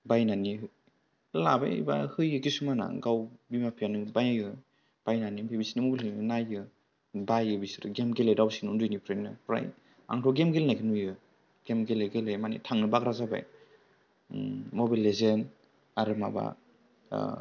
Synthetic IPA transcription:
bajnani | laba̰ḭba̰hɯjɯkisumana̰ɡawbimapʰijanɯbajɯ | b̥ajnanimbibisinimuɡlɯnajɯ | bajɯbisiɾɯɡemɡelejdawsinundujnipɾajnɯ̰pɾa̰j | a̰ŋtʰɔɡemɡelnajkʰɯnujɯ | ɡ̥emɡeleɡelejmanḭtʰaŋnɯbaɡɾazaba̰j | mobalezen | aɾɯma̰ba̰

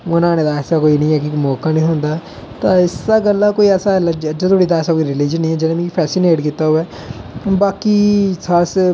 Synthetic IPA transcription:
ʊnãːnẽːd̪aːɛsaːkoːiːnĩːɛːkɪmoːkãːnĩːɦõːnd̪aː | t̪ãːɪsaːɡəlːãːkoːiːɛːsaːɛləd͡ʒd͡ʒːt̪ʰoːɽiːd̪aːsaːkoiɾɪliːd͡ʒənːĩːɛːd͡ʒɪnãːmĩːipʰɛːsɪneːʈkiːt̪aːɦʊɛː | baːkiːsʰaɾs

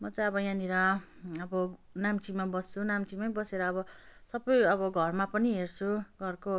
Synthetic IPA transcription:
mʌt͡sʌ̃j̃ʌbʌjãniɾʌʌbʌnamt͡simabʌst͡sʰunamt͡simʌjbʌseɾʌːbʌsʌbʌjʌbʌɡʱʌrmapʌniɦert͡sʰuɡʱʌrko

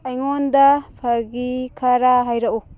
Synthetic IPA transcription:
ajŋondapʰaɡikʰaɾaɦajɾaʔu

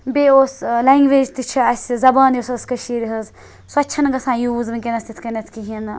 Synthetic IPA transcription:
beoːsleŋɡʋeːd͡ʒt̪it͡ʃʰiɐsʲzɐbaːnjosɐskɐʃiːɾiɦɐz | suɐt͡ʃʰɐnɐɡɐsãːjuːzmɨkenɐst̪it̪ʰkɐnɐt̪ʰkiɦin

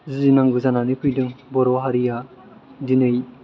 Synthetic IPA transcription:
zɯzinaŋɡɯzananɯpʰɯjdɯŋbɔɾɔɦaɾija | dinɯj

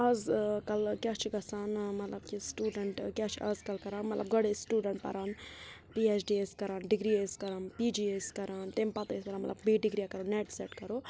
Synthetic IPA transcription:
aːzkɐlkʲjaːt͡ʃʰiɡɐsaːnmɐt̪lɐbkisʈuːɖɐɳʈkʲjaːt͡ʃʰiʔaːzkɐlkɐɾaːnmɐt̪lʔɐbɡɐɽesʈuːɖɐɳʈ̚pɐ̰ɾaːn | piːeːt͡ʃʰɖiːeskɐɾaːnɖiɡɾieskɐɾaːnpiːd͡ʒiːeskɐɾaːnt̪empɐt̪ːespɐɾaːnmɐt̪lɐbbiːɖiɡɾiːakɐɾoneːʈseːʈkɐɾoː

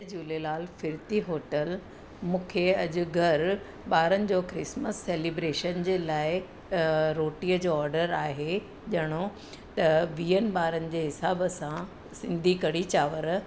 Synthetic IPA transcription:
d͡ʑuːlelaːlfɪɾt̪iɦoːʈəl | mũːkʰeɐʄʊ̆ɡʱɐɾ | ɓaːɾənɪ̆d͡ʑoːkɾɪsməsːeːlibɾeːʃənd͡ʑeːlaːɪ | ɾoːʈiːəd͡ʑoːɔːɾɖəɾaːɦe | ʄɐɽ̃o | t̪ɐʋiːənɪ̆ɓaːɾənɪ̆d͡ʑeːɦɪsaːbəsã | sɪ̃nd̪ʱikɐɽit͡ɕaːʋəɾ

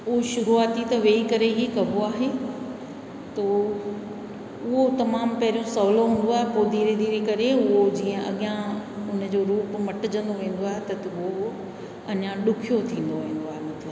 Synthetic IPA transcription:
ʊɦʃʊɾuaːt̪it̪ɐʋeːikɐɾeɦiːkɐboaːɦe | t̪ɐ | ʊɦot̪ɐmaːmpɐɦɪɾijõsɐʋloɦũːn̆d̪oaːɦepod̪iːɾed̪iːɾekɐɾeʊɦod͡ʑiːə̃ʔɐ̰ɠɪjãʊn̆d͡ʑoːɾuːpmɐʈɪd͡ʑə̃n̆d̪oʋẽːn̆d̪oaːɦet̪ɐt̪ɐʊo | ɐɲãɗʊkʰijot̪ʰĩːn̆d̪oʋẽːn̆d̪oaːɦemɐt̪ləb

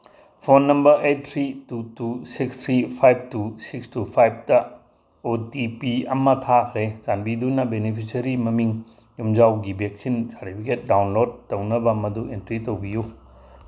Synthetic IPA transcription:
pʰonːɐmbɐɾʔet̚tʰɾitutusikst̪ʰɾipʰajb̚tusikstupʰajb̚tɐ | otipiɐmɐtʰakʰɾesanbidunɐbenipʰisɐɾimɐmiŋ | jumd͡ʒawɡibek̚sinsaɾtipʰiket̚dawnlod̚tːɐwnɐbɐmɐduentɾitɐwbiju

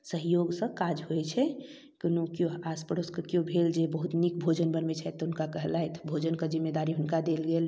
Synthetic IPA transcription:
səɦjoɡsə̃kad͡ʒɦoɛt͡ʃʰɛ | kinokjõaspəɾoskəkjõbʱeld͡ʒebəɦut̪nikbʱod͡ʒənbənmet͡ʃʰat̪ɔʊnkakəɦlaet̪bʱod͡ʒənkəd͡ʒimːed̪aɾiɦʊnkad̪elɡel

